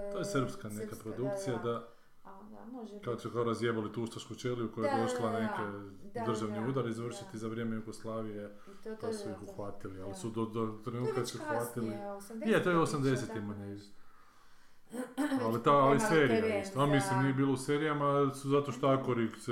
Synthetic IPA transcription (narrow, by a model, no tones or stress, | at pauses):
t̪oːjesɨrpskanekapɾo̞d̪uk̚t̪sijad̪a | kaosukaoɾazjebolit̪uuʃt̪aʃkut͡ʃelijukojajed̪oʃlaneked̪r̩ʒaʋniuːd̪aɾizʋr̩ʃit̪izaʋɾje̞mejuɡoslˠaːʋije | pasuixuxʋat̪ilialisud̪od̪ot̪ɾenuːt̪kasuxʋat̪ilijet̪ojeosamd̪e̞set̪imaɲe | alit̪aaliseːɾijaist̪oamislimniebiːlouseːɾijamasuzat̪oʃt̪oakoɾiks